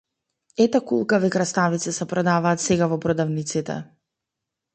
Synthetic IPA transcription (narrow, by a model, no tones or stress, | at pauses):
ɛt̪akulˠkavikɾast̪avit̪sɛsɛpɾɔd̪avaːt̪sɛɡavɔpɾɔd̪avnit̪sit̪ɛ̰